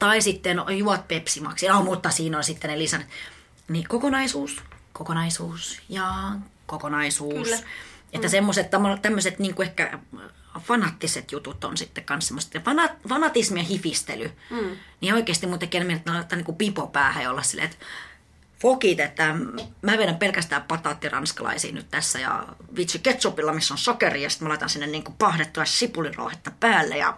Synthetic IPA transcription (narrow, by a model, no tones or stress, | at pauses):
t̪ɑisit̪ːenojuɑt̪̚pepsimɑ̰ksjɑmut̪ːɑsiːnolsit̪ːenelisɑnt̪ | nikokonɑisuːskokonɑisuːsjɑːkokonɑisuːset̪ːæsemːoset̪t̪ːæmolt̪æmːøset̪niːŋkuehkæ̰ | fɑnɑt̪ːiset̪jut̪ut̪o̰nsit̪ːekkɑnssemːoset̪ɑfɑnɑt̪fɑnɑt̪ismiɑhifist̪ḛlynioikeːˑst̪imuːt̪ekːenmient̪ːlɑt̪ːɑniŋkupipopæːhæjɑolːɑssḭlːḛet̪ | fokit̪et̪ːæmæːʋeɾæmpelkæst̪æːppɑt̪ɑt̪ːirɑ̰nskɑlɑ̰isḭːny̰t̪t̪æsːæjɑ̰ʋit̪syket̪supilːɑmisːonsokeriːjɑsi̥t̪mɑlɑet̪ɑnsinːenniːŋkupɑhdet̪tːuɑssipuliro̰ːhet̪ːɑpæːlːḛjɑ̰